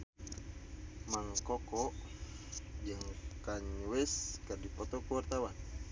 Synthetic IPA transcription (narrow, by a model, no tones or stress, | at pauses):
maŋkɔkɔʔ | jəŋkaɲwɛskərdipɔt̪ɔkuwart̪awan